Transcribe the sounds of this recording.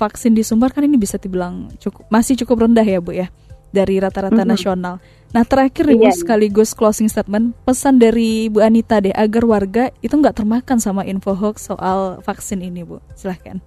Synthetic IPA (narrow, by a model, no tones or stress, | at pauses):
faksɪndisumbarkaninibisat̪ibəlaŋt͡ʃukʊ̥p̚masɪht͡ʃukʊp̚rəndaɦjabʊjadaɾiɾat̪aɾat̪anasional | naht̪əɾakɪrnɪɡʊsəkaliɡʊsklosɪŋst̪at̪̚mənpəsandaɾibuanit̪adɛɦʔaɡarwarɡait̪uŋɡaʔt̪ərmakansamainfoɦɔksoʔalfaksɪninibʊ̰silahka̰n